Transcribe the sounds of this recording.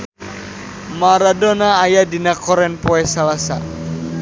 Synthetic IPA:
maɾadɔnaːjadinakɔɾɛnpɔɛsalasa̰

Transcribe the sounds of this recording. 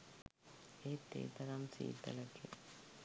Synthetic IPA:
eːt̪ːḛːt̪ɐɾamsḭːt̪ɐ̰lɐke

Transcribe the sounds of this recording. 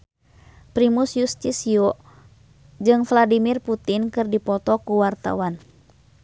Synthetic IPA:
pɾimusjust̪isiɔ | d͡ʒɨŋfladimirput̪inkɨrdipɔt̪ɔkuwart̪a̰wan

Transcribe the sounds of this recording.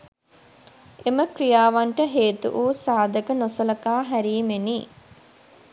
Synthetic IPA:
eməkrijaːʋaɳʈəɦeːt̪ṵʔuːsaːd̪əkənosɐlɐkaːɦæɾiːmeni

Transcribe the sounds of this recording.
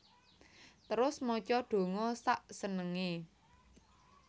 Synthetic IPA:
t̪əɾʊsmɔt͡ʃɔɖ̥o̤ŋɔsaʔsənəŋe

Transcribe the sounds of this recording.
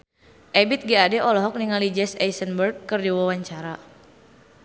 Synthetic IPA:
ʔɛbit̪̚ɡiadɛʔɔlɔɦɔk̚niŋalid͡ʒɛsɛjsənbərɡ̚kɨrdiwawaɲt͡ʃaɾa

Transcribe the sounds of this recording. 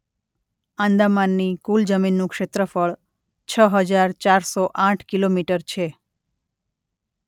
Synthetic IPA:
ãnd̪amanːikuld͡ʒəminːũkʃet̪ɾəfəɭ | t͡ʃʰəɦəd͡ʒaɾt͡ʃaɾsoʔãʈʰkilomiʈəɾt͡ʃʰe

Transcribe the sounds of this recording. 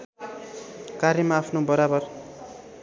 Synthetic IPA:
kaɾjʌmaːpʰnobʌɾabʌr

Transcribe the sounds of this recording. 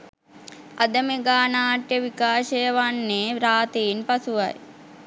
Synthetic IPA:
ad̪əmeɡaːnaːʈjəʋikaːʃəjəʋanːeːɾaːt̪iːnpasuʋa̰j

